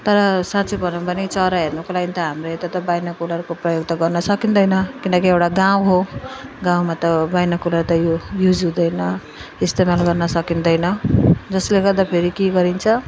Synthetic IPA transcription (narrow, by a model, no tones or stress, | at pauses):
t̪ʌɾʌsat͡subʱʌnupʌnit͡sʌɾaɦernʌkolaɡint̪ʌɦamrʌet̪at̪ʌbajnʌkulʌrkoprʌjoɡt̪ʌɡʌrnʌsʌkind̪ʌjnʌkinʌkiewɽaɡãw̃ɦoɡãw̃mat̪ʌbajnʌkulʌrt̪ʌjojud͡zud̪ʌjnʌ | ist̪emalɡʌrnʌsʌkind̪ʌjnʌd͡zʌsleɡʌrd̪apʰeɾikeɡʌɾint͡sʰʌ